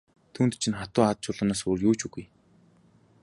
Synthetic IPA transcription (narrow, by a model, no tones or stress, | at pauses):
t̪ʰuːnt̪t͡ɕʰĭnχat̪ʊːat̪̚t͡ɕʰʊːɮə̆naːsuːrjuːt͡ɕuɣuj